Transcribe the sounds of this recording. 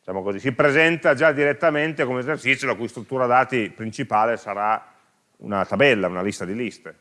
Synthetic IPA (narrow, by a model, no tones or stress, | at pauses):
dd̪it͡ʃaːmokozisipɾezɛnt̪ad͡ʒad̪iɾet̪ːament̪ekomeezert͡ʃit̪sjolakuist̪ɾut̪ːuːɾad̪aːt̪ipɾint͡ʃipaːlesaɾa | ṵnat̪abɛlːaunalist̪ad̪ilist̪e